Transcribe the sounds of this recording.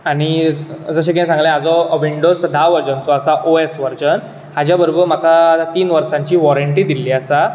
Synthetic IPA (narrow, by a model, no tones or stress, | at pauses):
aɽ̃id͡zəɕẽkɛ̃sãŋɡlɛ̃ad͡zɔʋiɳɖosd̪ʱaʋəɾd͡ʑənt͡sɔasaʔoesʋəɾt͡ɕən | had͡ʑjabəɾobəɾmət̪ʰat̪iːnʋəɾsãɲt͡ɕiːʋɔɾəɳʈid̪iliəsa